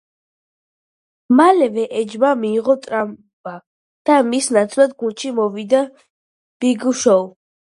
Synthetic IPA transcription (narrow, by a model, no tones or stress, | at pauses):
malɛvɛʔɛd͡ʒbamiːʁɔt̪ʼɾam | ba | d̪̥amisnat̪sʰʼlˠad̪ɡunʃimɔvid̪a | b̥iɡuʃɔw